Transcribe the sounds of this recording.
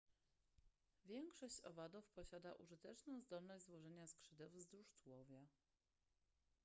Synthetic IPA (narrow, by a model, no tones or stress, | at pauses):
vʲjɛŋkʂɔɕt͡ɕɔ̰vad̪ufpɔɕad̪aʔuʐɘt̪ɛt͡ʂnɔ̃w̃zd̪ɔlnɔʑʲzwɔʐɛɲaskʂɘd̪ɛwvzd̪ɾuʂt̪wɔvʲja